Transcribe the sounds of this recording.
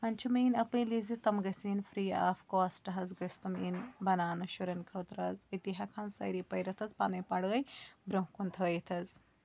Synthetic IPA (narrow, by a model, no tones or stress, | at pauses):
ɐnʲt͡ʃʰumiːnɐpɨ̃jlizut̪ɐmɡɐsiːnfɾiːa̰ːfkoːsʈɐɦɐzɡɐst̪ɐmiːnbɐnaːnɐʃuɾɐnkʰɐːt̪ɾɐzit̪iɦɐkʰaːnsɐ̰jɾiːpɐjɾɐt̪ʰɐzpanɐjpɐɽɣɐjbɾɐɦkunt̪ʰɐːit̪ʰɐz